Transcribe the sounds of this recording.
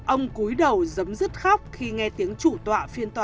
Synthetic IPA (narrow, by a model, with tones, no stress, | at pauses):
ʔə˧wŋ͡mku˨˦jɗə˨˩wzə˨˦mzɨ˦˥t̚xa˦˥wk͡p̚xi˧ŋɛ˧t̪i˨˦əŋt͡ɕu˧˩t̪wa̰ː˧˨fi˧ənt̪waː˧